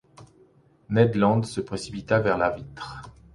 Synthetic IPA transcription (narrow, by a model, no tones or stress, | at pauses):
nɛd̪lɑ̃d̪səpχesipit̪avɛʁlavit̪χ